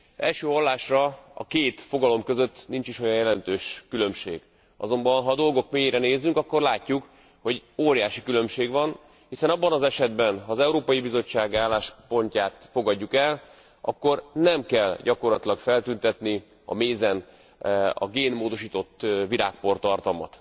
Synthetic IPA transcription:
ɛ̰lʃøːɦɒlːaːʃrɒɒ̰keːt̪fo̞ɡɒlo̞mkø̞zø̞t̪ːnint͡ʃiʃo̞jɒjɛlɛnt̪øːʃkylø̞mʃḛːɡ | ɒ̰zo̞mbɒnɦɒːd̪o̞lɡo̞kmeːjeːɾɛneːzyŋkɒkːo̞rlaːcːuk | ho̞ɟoːɾjaːʃikylø̞mʃeːɡʋɒn | hisɛnɒbːɒnɒzɛʃɛd̪bɛnɦɒːzɛuɾoːpɒjibizo̞t͡ʃːaːɡaːlːaːʃpo̞ɲcaːt̪fo̞ɡɒɟːukɛl | ʔɒ̰kːo̞rnɛmkɛlɟɒko̞rlɒt̪ilɒkfɛlt̪ynt̪ɛt̪ni | ɒ̰meːzɛn | ɒ̰ɡeːnmoːd̪o̞ʃiːt̪o̞t̪ːviɾaːk̚po̞rt̪ɒrt̪ɒlmɒ̰t̪

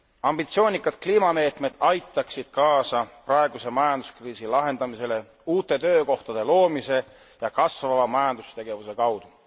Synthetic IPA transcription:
ɑmb̥it̪sio̞ːnʲikːˑɑd̪̥kliːmɑme̞ːt̪me̞d̪̥ɑjt̪ːˑɑksid̪̥̚kɑːsɑprɑe̞ɡ̥use̞mɑjɑnd̪̥uskriːsilɑɦe̞nd̪̥ɑmise̞le̞ | uːt̪ːˑe̞t̪ø̞ːko̞ht̪ɑd̪̥e̞lo̞ːmise̞ | jɑkɑsvɑvɑmɑjɑnd̪̥ust̪e̞ɡ̥e̞vuse̞kɑwd̪̥u

